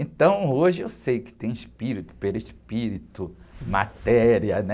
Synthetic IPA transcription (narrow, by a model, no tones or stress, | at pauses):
ẽt̪ɐ̃w̃oʒɪewsejʊkɪ̥t̪ẽj̃ɪʃpiɾit̪ʊ̥peliʃpiɾit̪ʊma̰t̪ɛɾiɐnɛ